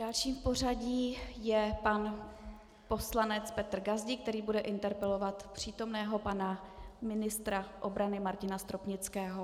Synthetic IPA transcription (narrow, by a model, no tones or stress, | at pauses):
d̥alʃiːmfpo̞r̝aɟiːjɛpan | po̞slanɛt͡spɛt̪r̩ɡazɟɪkt̪ɛɾiːbudɛʔɪnt̪ɛɾpɛlo̞vat̪pr̝̥iːt̪o̞mnɛːɦo̞panamɪnɪst̪ɾaʔo̞bɾanɪmaɾcɪnast̪ɾopɲɪt͡skɛːɦo